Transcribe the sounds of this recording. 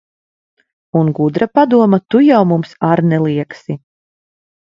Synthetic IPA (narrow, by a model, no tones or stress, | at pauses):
unɡud̪ɾapad̪uɔmat̪ujawmumsaɾnɛlˠiɛksi